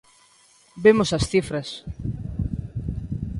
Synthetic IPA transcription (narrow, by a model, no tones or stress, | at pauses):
bemosɐsθifɾɐs